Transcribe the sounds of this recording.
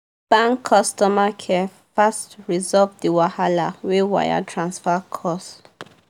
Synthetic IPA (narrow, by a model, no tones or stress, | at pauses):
b̥ãŋkʰːɔstɔmakʰɛ | fastɹizɔvdiwahalawewa̰ja̰tʰɹãnsfakʰɔs